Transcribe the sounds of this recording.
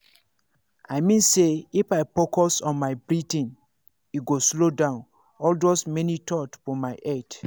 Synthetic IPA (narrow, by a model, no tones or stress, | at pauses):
aɪmĩnseifaɪpokɔsɔ̃nmaɪbɹitĩn | iɡoslodãʊ̃n | ɔldosmɛnitʰɔtfɔmaɪʔɛt